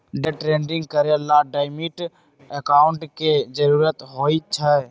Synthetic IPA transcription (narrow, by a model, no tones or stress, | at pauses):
ɖeʈɾẽːɳɖɪ̃ŋɡkəɾelaɖaːɪmiʈ | əkaːʊɳʈked͡ʒəɾuːɾət̪ɦoːit͡ʃʰə